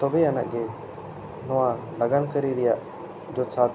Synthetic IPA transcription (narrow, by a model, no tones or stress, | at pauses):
t̪ɔbɛana̰ʔɡɛ | nɔwa | laɡankəɾiɾɛjaʔ | d͡ʒɔsa